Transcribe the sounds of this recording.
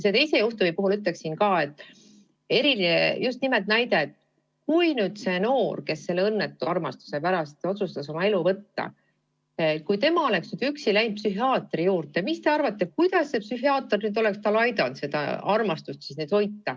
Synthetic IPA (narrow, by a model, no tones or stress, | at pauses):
se̞t̪e̞jse̞juht̪umipuɦulyt̪le̞ksinkɑːe̞t̪ːˑ | e̞ɾilinejust̪nimelt̪̚næjd̪e̞t̪ | kujnyːd̪̥se̞no̞ːrke̞sːe̞lːeɤnːet̪ːˑuɑrmɑst̪u̥se̞pæɾɑst̪o̞t̪sust̪ɑso̞mɑe̞luvɤt̪ːɑ̰ | kujt̪e̞mɑo̞le̞ksnyd̪yksilæjnpsyɦiɑːt̪ˑrijuːrt̪e̞mist̪e̞ɑrvɑt̪ːekujd̪̥ɑsːepsyɦiɑːt̪ːɑrnyd̪o̞le̞kst̪ɑlɑjd̪ɑnt̪se̞d̪ɑ̰ɑrmɑst̪ust̪sisned̪o̞jt̪ːɑ